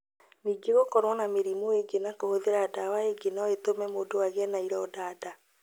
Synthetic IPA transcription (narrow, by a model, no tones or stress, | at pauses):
niːɡeɣokɔɾwɔnameɾimoeɡenakohoðeɾadawaeɡenɔet̪omɛmoːdowaɣɛnaiɾɔːdaːda